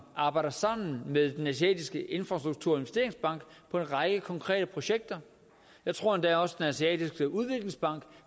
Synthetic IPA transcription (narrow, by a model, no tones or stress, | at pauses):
ʔɑ̈ːb̥ɑ̈ɪ̰d̥ɐsɑ̈m̰n̩meðˠd̥enæsiɛ̰ːd̥ʰisɡ̥əʔe̝nfʁɑ̈sd̥ʁuɡ̥̚t͡sʰuɐ̰enʋesd̥e̝ɐe̝ŋsb̥ɑ̈ŋ̰ɡ̥pʰɒ̽e̝nʁɑ̈ɡ̥əkʰɒ̽ŋkʰʁɛ̰ːɾəpʰʁo̝ɕeɡ̥̚d̥ɐ | jɑ̈ɪt͡sʰʁo̝ɐ̰end̥æɒ̽səd̥enæsiɛ̰ːd̥ʰisɡ̥əuð̞ˠʋe̝ɡ̥le̝ŋsb̥ɑ̈ŋ̰ɡ̥